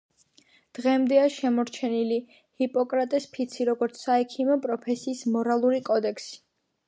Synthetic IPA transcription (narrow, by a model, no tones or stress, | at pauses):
d̪̥ʁɛmd̪ɛaʃɛmɔɾt͡ʃʰɛnili | hipʼɔkʼɾat̪ʼɛspʰit̪sʰiɾɔɡɔɾt̪sʰsaɛkʰimɔpʼɾɔpʰɛsiːsmɔɾalˠuɾikʼɔd̪ɛkʰsi̥